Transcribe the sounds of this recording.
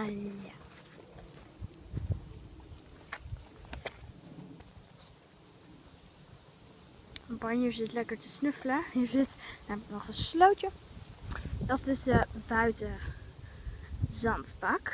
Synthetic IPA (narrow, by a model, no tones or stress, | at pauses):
a | bɑnəzɪtlɛkəɹtəsnɵfələəzɪtnamtnɔχənslowtə | d̥ɑtdəsdəbœɥtə | zɑntbɑk